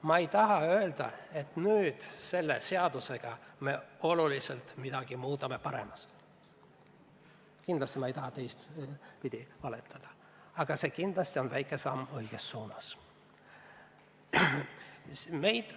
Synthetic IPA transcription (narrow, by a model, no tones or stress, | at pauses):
mɑejt̪ɑɦɑø̞eld̪̥ɑ̰e̞t̪nyːd̪̥se̞lːe̞̰se̞ɑd̪̥use̞ɡ̥ɑme̞o̞lulise̞lt̪mid̪̥ɑɡ̥imuːt̪ˑɑme̞pɑɾe̞̰mɑs | kind̪lɑst̪imɑejt̪ɑɦɑt̪ejst̪pid̪̥ʲivɑlet̪ːˑɑd̪̥ɑ̥ | ɑɡ̥ɑse̞kind̪̥lɑst̪io̞nvæjkːˑe̞sɑmːɤjɡ̥esːuːnɑs | me̞jd̪̥